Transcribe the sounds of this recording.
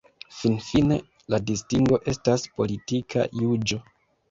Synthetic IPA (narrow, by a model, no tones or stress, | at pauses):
finfine̞ | ladistiŋɡo̞ʔe̞staspo̞litikʰa̰jud͡ʒo̞